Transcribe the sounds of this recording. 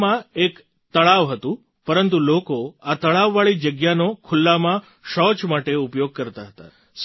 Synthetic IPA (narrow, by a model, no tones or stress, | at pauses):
mãek | t̪əɭaʋɦət̪ũ | pəɾənt̪ulokoat̪əɭaʋːaɭid͡ʒəɡjanokʰʊlːamã | ʃɔt͡ʃmaʈeupjoɡ̚kəɾt̪aɦət̪a̰ | s